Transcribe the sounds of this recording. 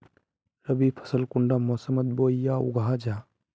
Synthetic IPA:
ɾəbipʰə̥səlkʊɳɖamɔːsəmət̪̚boːijaːṵɡʱaːd͡ʒaː

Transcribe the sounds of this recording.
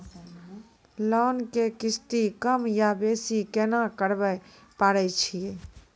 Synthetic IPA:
lɔːnkekɪst̪ikəmjabeːsikɛːnakəɾbəj | paːɾɛt͡ʃʰie

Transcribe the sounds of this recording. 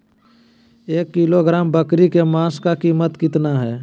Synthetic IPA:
eːkːiloɡɾaːmbəkɾikemãːskakiːmət̪kɪt̪naɦɛː

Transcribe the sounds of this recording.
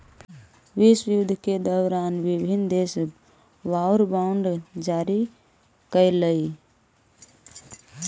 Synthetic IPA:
ʋiswjud̪ʱked̪əʊɾanʋibʱind̪es | ʋaʊɾbaʊɳɖd͡ʒaɾi | kəjləi

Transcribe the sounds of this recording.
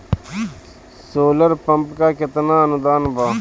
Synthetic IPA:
soːləɾpəmpkaːkɪt̪naːənʊd̪aːnbaː

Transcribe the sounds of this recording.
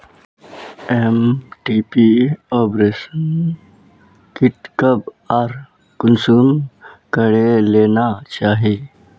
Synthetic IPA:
emʈiːpiɔːpɾeːsən | kɪʈkəb | aːɾ | kʊnsuːmkəɾeleːnat͡ʃaːɦi

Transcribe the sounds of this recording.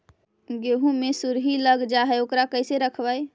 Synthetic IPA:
ɡeɦũmesuɾɦiləɡd͡ʒaɦɛokɾakəjseɾəkʰbəj

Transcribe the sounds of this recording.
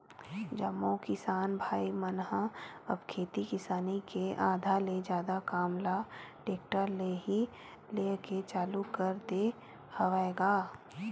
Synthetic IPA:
d͡ʒəmːõkɪsaːnbʱaːimənɦãɐbkʰeːt̪ikɪsaːnikeʔaːd̪ʱaled͡ʒjaːd̪akaːmlaɖeːkʈəɾleɦi | leːket͡ʃaːlukəɾd̪e | həʋaeɡaː

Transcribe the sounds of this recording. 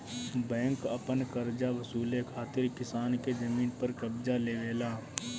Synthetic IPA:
bɛ̃ːŋkəpənkəɾd͡ʒaʋɐsuːlekʰaːt̪ɪɾkɪsaːnkezɐmiːnpəɾkəbd͡ʒaleːʋeːlaː

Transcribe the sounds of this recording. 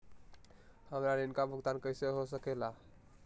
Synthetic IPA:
həmɾaninkabʱəɡt̪ankəɪseɦosəkɛla

